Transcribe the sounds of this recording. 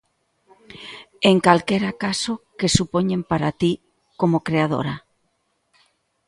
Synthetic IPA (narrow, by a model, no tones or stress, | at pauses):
eŋkalkɛɾakasokesupoɲẽmpaɾat̪i | komokɾeaðo̰ɾa